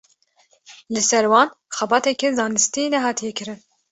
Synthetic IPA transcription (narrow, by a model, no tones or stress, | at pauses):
lɨsɛɾwɑːn | xɛbɑːt̪ɛkɛzɑːnɨst̪inɛɦɑːt̪ʰijɛkʰɨɾɨn